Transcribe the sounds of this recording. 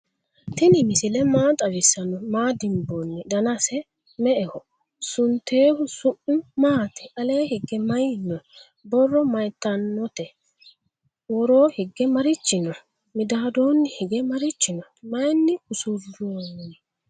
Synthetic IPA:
t̪ɪnɪmɪsɪlɛmaːt̪ʼɐwɪsɐnɔmaːd̪ɪmbɔnːɪd̪ɐnɐsɛ | mɛʔɛhɔ | sʊnt̪eːhʊsʊʔʊmaːt̪ɛ̥ʔɐle̞ːhɪɡːɛmɐjnːɔ | bɔrːɔmɐjt̪ːɐnːɔt̪ɛ | wɔɾo̞ːhɪɡːɛmɐɾɪt͡ʃːɪnɔ | mɪd̪aːd̪oːnːɪhɪɡɛmɐɾɪt͡ʃːɪnɔmɐjnːɪhʊsʊdonːɛ

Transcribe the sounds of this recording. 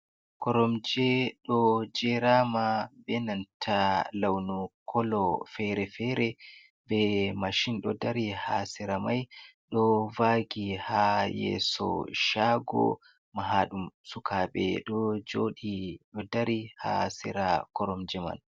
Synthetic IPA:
kɔɾɔmd͡ʒɛɗɔd͡ʒɛɾamabɛnantʰalawnukʰɔlɔfɛɾɛfɛɾɛ | bɛmaʃinɗɔdaɾihasɛɾamajɗɔvaɡihajɛ̰sɔ̰ʃaɡɔ̰ | maɦaɗumsukʰaɓɛ̰ɗɔd͡ʒoːɗiɗɔdaɾiha̰sɛɾakɔɾɔmd͡ʒɛma̰n

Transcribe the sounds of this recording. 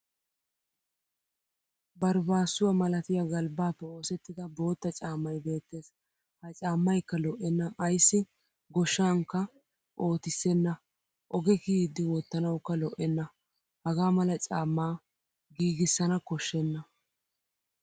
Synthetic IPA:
bɐɾbaːsːʊwɐmɐlɐt̪ɪjɐɡɐlbaːpːɛo̞ːsɛt̪ːɪd̪ɐbo̞ːt̪ːɐt͡ʃʼaːmːɐjbe̞ːt̪ːe̞ːs | hɐt͡ʃʼaːmːɐjkːɐlɔʔːɛnːɐɐjsːɪ | ɡɔʃːaːŋkːɐ | ʔo̞ːt̪ɪsːɛnːɐ | ʔɔɡɛkiːd̪ːɪwɔt̪ːɐnɐwkːɐlɔʔɛnːɐ | hɐɡaːmɐlɐt͡ʃʼaːmːaː | ɡiːɡɪsːɐnɐkɔʃːɛnːɐ

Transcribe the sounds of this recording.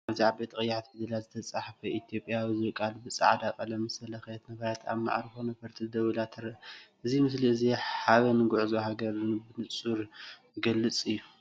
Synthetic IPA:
ʔaβziʕabet̪kʼɨjːat̪bɨd̪ɨlazɨt̪ʰɐt͡sʼaħfɐʔit̪ʰjo̞pʼjawizɨɾɨkʼalbɨt͡sʼa̰ʕd̪akʼɐlɐmɨsɐlɐxt̪nɐβɐɾat̪ʰa̰βma̰ʕɾɨxonɐpʰɐɾt̪ʰid̪ɐwɨlat̪ʰɨɾɐʔɨzimɨsliɨziħaβɐnɡʊʕzoɦaɡɐɾbɨnɨt͡sʼuɾ | ɡɐlːɨt͡sʼɨjːu

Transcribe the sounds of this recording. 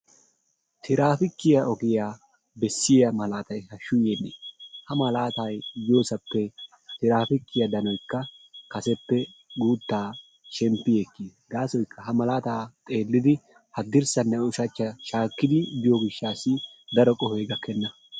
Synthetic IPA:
t̪ʰɪɾaːfɪkːɪjɐʔɔɡɪjaː | bɛsːɪjɐmɐlaːt̪ɐjhɐʃʊjenːeːhɐmɐlaːt̪ajjoːsɐpːɛ | t̪ɪɾaːfɪkːɪjɐd̪ɐnɔjkːɐkɐsɛpːɛɡuːt̪ːaː | ʃɛmpːɪjekːiɡaːsɔjkʰːɐɦɐmɐlaːt̪aːt̪ʼe̞ːlːɪd̪ɪ | hɐd̪ɪɾsɐnːɐʊʃɐt͡ʃːɐʃaːkːɪd̪ɪb̪ɪjɔɡɪʃːaːsɪ | d̪ɐɾɔkʼɔheːɡɐkːɛnːɐ

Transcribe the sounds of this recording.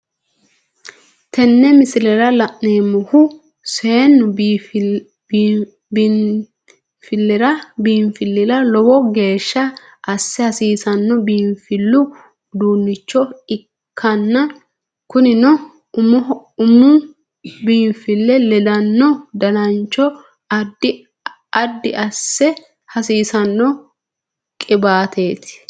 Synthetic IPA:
t̪ɛnːɛmɪsɪlɛɾɐlɐʔneːmːʊhʊ | seːnːʊ | fɪlːɛɾɐbiːɱfɪlːɪɾɐlɔwɔɡe̞ːʃːɐ | ʔɐsːɪɐsiːsɐnːɔbiːnfɪlːʊ | d̪uːnːɪt͡ʃːɔɪ | kʰːɐnːɐ | kʊnɪnɔ | ʊmʊʊmʊ | biːnfɪlːɛlɛd̪ɐnːɔd̪ɐnɐnt͡ʃːɔ | ɐd̪ːɪ | ɐd̪ːɪɐsːɛ | hɐsiːsɐnːɔ | kʼɪbaːt̪ʰe̞ːt̪ɪ̥

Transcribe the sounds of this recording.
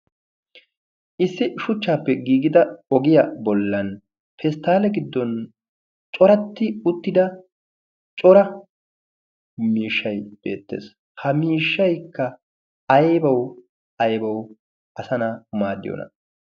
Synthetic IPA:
ʔɪsːɪʃʊt͡ʃːaːpːɛɡiːɡɪd̪ɐɔɡɪjɐbɔlːɐn | fʰɛst̪aːlɛɡɪd̪ːɔn | t͡ʃʼɔɾɐt̪ːɪʊt̪ːɪd̪ɐ | t͡ʃʼɔɾɐ | miːʃːɐjb̥e̞̰ːt̪ːḛːs | hɐmiːʃːɐjkːɐː | jbɐw | ɐjbɐw | ʔɐsɐnamaːd̪ːɪ̰jo̰nɐ̰

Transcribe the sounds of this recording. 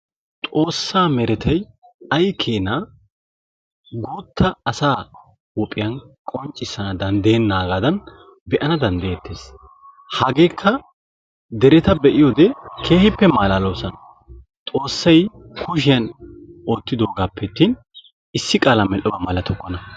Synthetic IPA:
t̪ʼo̞ːsːaːmɛɾɛt̪ʰɐj | ɐjkʰeːnɐ | ɡuːt̪ʰːɐːsaː | wɔpʼːɪjɐnkʼɔnt͡ʃʼːɪsːɐnɐd̪ɐnd̪eːnːaːɡaːd̪ɐn | bɛʔɐnɐd̪ɐnd̪ɛjet̪ʰːe̞ːs | hɐɡe̞ːkʰːɐ | d̪ɛɾɛt̪ɐbɛʔɪjoːd̪ɛkʰeːhɪpːɛmaːlaːloːsɐn | t̪ʼo̞ːsːɐjkʰʊʃ̬ɪjɐnoːt̪ːɪd̪o̞ːɡaːpʰːɛt̪ːin | ɪsːɪkʼaːlɐmɛlʔɔbɐmɐlɐt̪ʰɔkʼːɔnɐ

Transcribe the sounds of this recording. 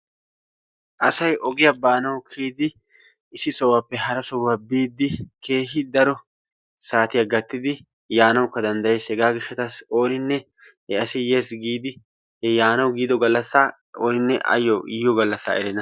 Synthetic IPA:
ʔɐsɐjɔɡɪjɐbaːnɐwkʰiːd̪ɪ | ɪsɪsɔwːapːɛɦɐɾɐsɔwːabiːd̪ːɪkʰe̞ːɦɪd̪ɐɾɔ | saːt̪ɪjɐɡɐt̪ːɪd̪ɪ | jaːnɐwkːɐd̪ɐnd̪ɐjeːsɛɡaːɡɪʃːɐt̪ɐso̞ːnɪnːɛ | hɛɐsɪjeːsɡiːd̪ɪ | hɛjaːnɐwɡiːd̪ɔɡɐlːɐsːa | oːnɪnːɛʔɐ̰jːɔɪjɔɡɐlːɐsːa̰ːɛɾɛnɐ

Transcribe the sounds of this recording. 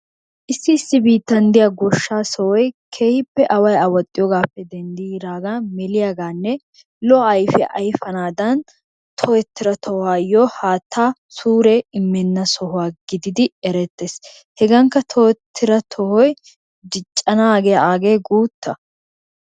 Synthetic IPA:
ʔɪsːɪːsːɪbiːt̪ːɐnd̪ɪjɐɡɔʃːaːsɔwɔjkʰehɪpːɛʔɐwɐjɐwɐt̪ʼːɪjɔɡaːpːɛd̪ɛnd̪iːɾaːɡamɛlɪjaːɡaːnːɛ | lɔɐjfɪ̰ʔɐjfɐnaːd̪ɐn | t̪ʰɔɛt̪ːɪɾɐt̪ʰɔhʊaːjɔhaːt̪ʰːaː | suːɾɛɪmːɛnːɐsɔɦʊwaːɡɪd̪ɪd̪ɪɛɾɛt̪ːeːs | hɛɡɐŋkːɐt̪ʰɔɛt̪ʰːɪɾɐt̪ʰɔhɔj | d̪ɪt͡ʃʼːɐnaːɡɛjɐaːɡeːɡuːt̪ːɐ

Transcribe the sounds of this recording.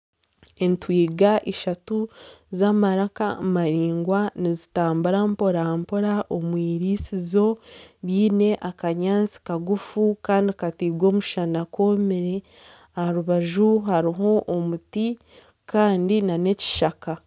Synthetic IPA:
entwiːɡaʔeʃatuzaːmaɾaka̰maɾiːŋɡwanizitaːmbuɾampo̞ɾampo̞ɾaʔomwiːɾiːsizo̞βiːne̞ʔakaɲaːnt͡si̥kaɡufukaːndikatiːɡwo̞ːmuʃanako̞miɾe | aaɾuβaʒuɦaɾiɦo̞ʔːmuti | kaːndinane̞ci̥ʃaka

